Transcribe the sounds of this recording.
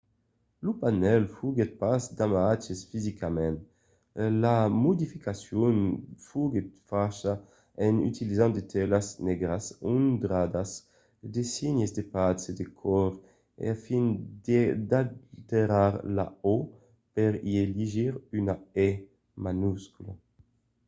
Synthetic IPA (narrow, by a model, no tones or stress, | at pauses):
lupanɛlfuɡet̪̚pasd̪amat͡ʃesfizikʰamɛ̃nt̪ | lamod̪ifikasjɔnfuɡet̪faʃa | eny̰t̪ilizãnd̪et̪ʰɛlasnɛɡɾasund̪ɾad̪as | d̪esiɲezd̪epased̪ekʰɔɾ | ḛafind̪ed̪at̪eɾaɾla̰o | peɾieliʒiɾynaɛ | manuskula̰